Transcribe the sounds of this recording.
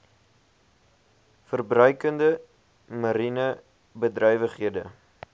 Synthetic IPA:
fərbrœɥkəndə | mɐɾinə | bədrœjvəχɦiədə̰

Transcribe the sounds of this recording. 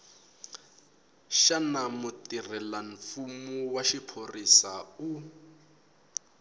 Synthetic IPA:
ʃanamutirɛlaɱfumuwaʃipʰorisau

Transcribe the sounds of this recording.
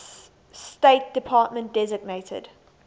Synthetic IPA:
steɪt̚d̥ɪpʰɑːˑtmə̃nt̚d̥ɛzɪɡ̚neɪtʰə̰d̥

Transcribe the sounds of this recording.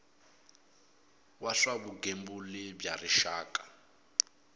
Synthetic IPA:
waɬwabuɡembulɪbjariʃaːkʼa

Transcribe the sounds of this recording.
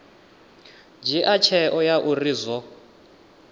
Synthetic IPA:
d͡ʒiʔat͡ʃʰɛʔɔjaʔurizɔ

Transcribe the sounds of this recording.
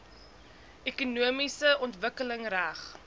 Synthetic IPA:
ʔekunuəmisəɔntvəkələŋræχ

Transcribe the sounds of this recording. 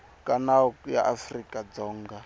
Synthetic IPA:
kʼanaɔja̰ʔafrikʼad͡zɔːŋɡa

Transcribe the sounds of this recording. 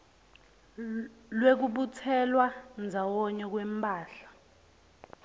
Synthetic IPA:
lwek̬uɓut͡sʰɛlwand͡zʱawɔɲɛk̬wɛmpʼaːɬḁ

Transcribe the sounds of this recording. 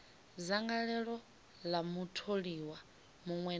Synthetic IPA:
zaŋɡaɺɛɺɔ | lamutʰoɺiwa | muŋwɛ

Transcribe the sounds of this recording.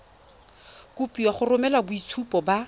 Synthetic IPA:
kʊpʼiwaχʊrʊmɛlabʊit͡sʰupʼɔba

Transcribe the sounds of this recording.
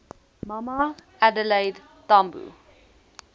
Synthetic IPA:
mama | ædəleɪd | tambṵ

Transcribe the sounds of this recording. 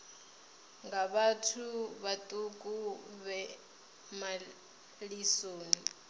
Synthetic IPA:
ŋɡaβatʰuβatʼukʼuβɛ | ma | lisoːni

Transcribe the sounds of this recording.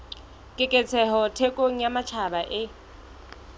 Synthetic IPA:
kʼɪkʼɛt͡sʰɛɦɔtʰɛkʼoŋ̩jamat͡ʃʰabaʔɪ

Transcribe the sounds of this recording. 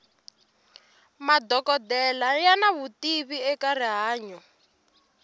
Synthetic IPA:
madɔkɔdɛlajanaβutiβiɛkaɾiɦaːɲɔ

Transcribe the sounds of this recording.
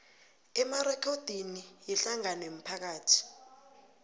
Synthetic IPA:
ɛmarɛkʰɔd̥ʱinijiɬaŋanem̩pʰak̬aːtʰi̥

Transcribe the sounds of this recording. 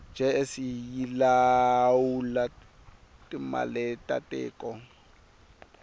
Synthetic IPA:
nd͡ʒʱɛesijilawula | tʼima̰lɛtʼatʼɛ̰ːkʼɔ

